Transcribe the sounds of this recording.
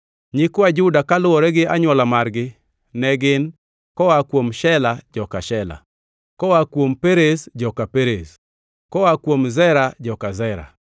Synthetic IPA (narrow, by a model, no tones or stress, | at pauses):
ɲɪkwad͡ʒʊdakalʊwɔɾɛɡɪaɲwɔlamarɡɪ | nɛɡɪn | kɔwakwomʃɛlad͡ʒɔkaʃɛla̰ | kɔwakwompeɾesd͡ʒɔkapeɾes | kɔwakwomzɛɾad͡ʒɔkazɛɾa̰